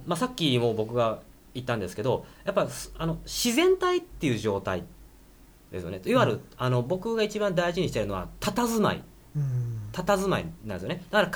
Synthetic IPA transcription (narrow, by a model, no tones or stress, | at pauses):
masakʲːimo̞ːbo̞kɯ̟ɡa | it̪ːãnd̪esɨ̥ke̞d̪o̞japːasano̞ɕizẽ̞nt̪ait̪ːe̞iɯ̟ːʑo̞ːt̪a̰i | d̪esɨjonet̪iβaɾɯ̟ano̞bo̞kɯ̟ɡait͡ɕibãnd̪aiʑiɲ̟iɕi̥t̪e̞ɾɯ̟no̞a̰t̪at̪azɨma̰ḭ | t̪at̪azɨmaḭnã̰nd̪esjoned̪̥akaɾak